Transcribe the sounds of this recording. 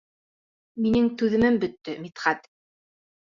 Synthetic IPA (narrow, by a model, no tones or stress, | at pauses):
minɘŋt̪ʉðɘ̆mɘmbɵ̆t̪ːɵmit̪χɑt̪